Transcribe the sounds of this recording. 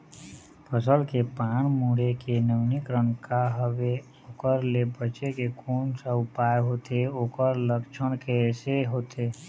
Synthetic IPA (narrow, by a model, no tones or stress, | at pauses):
pʰəsəlkepaːɳmuːɽekenəʋnɪkɾə̃ŋkaɦəʋe | okəɾlebət͡ʃekekʰuːnsəʊpaːeɦoːt̪ʰeoːkəɾləkt͡ʃʰəɽ̃keseɦoːt̪ʰeː